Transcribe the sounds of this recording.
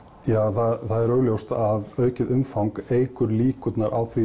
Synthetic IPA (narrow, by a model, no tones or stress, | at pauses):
jaːθaθaðɛɾœːɣljowst̪aðœːɥcɪðʏmfawŋkeːjkʏɾliːkʏt̪naɾʔa̰ːwθvi